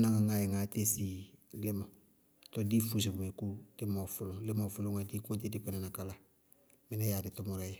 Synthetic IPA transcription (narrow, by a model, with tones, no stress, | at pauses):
na˦ŋa˨ŋa˨jɛ˨ŋa˨te˦si˨le˦mo˨ | tɔ˦diː˦fu˨s̬i˨bu˨me˨ku˦d̥ɪ˦mɔ˨fu˦lʊ̃˨le˦ma˨fu˦lõ˦ŋa˨di˦kõ˦nte˦di˦kɛ˦nɛ˨na˨ka˨la˨ | mɪ˦na˦ja˨dɪ˨tɔ˦mɔɾa˦jɛ˨